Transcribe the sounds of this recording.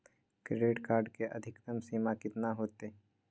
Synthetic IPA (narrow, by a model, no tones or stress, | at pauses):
kɾɪɖeːʈkaːɾɖkeʔɐd̪ʱɪkt̪əmsiːmakɪt̪naɦoːt̪eː